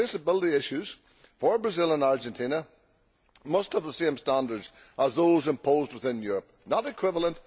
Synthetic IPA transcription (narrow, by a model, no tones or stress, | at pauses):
esəbɪlˠəɾiɪʃʉz̥ | fə˞bɹəzɪlˠə̃naɹd͡ʒə̃ntʰĩnə | mʌsthəvðəsẽmstãndə˞dz̥ʔəzðozɪ̃mpʰozd̚wəθɪ̃njʉɹəp̚nəɾɪkʰw̥ɪvəl̩ˠə̃nʔ